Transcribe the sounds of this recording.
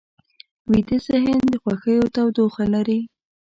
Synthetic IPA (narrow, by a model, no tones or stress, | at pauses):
wid̪əsɪɦɪnd̪əxwaxəjot̪awd̪oxalaɾi